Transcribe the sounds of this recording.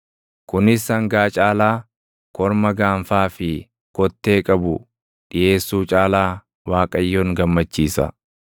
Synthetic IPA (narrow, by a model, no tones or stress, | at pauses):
kʊnɪsɐŋɡaːt͡ʃʼaːlaː | kɔɾmɐɡaːɱfaːfɪ | kɔt̪ːe̞ːkʼɐbʊ | ᶑɪje̞ːsːuːt͡ʃʼaːlaː | waːkʼɐjːoːŋɡɐmːɐt͡ʃːiːsɐ̰